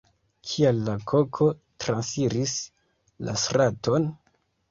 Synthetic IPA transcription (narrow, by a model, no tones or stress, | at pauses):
kʰialːakʰo̞kʰo̞ | tɾansiɾis | la̰sɾato̞n